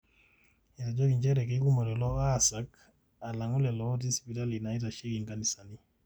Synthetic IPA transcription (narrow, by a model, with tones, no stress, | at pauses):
ɛɾa˨d͡ʒɔ˦ɡi˨ɲd͡ʒɛ˦ɾɛ˨keku˦mɔ˨ɾɛlɔ˦a˦sak | a˨la˨ŋu˦lɛ˨lɔ˦di˦spi˨ta˦li˨na˨i˦ta˨ʃi˦ɡiŋɡa˦ni˨sa˨ni˦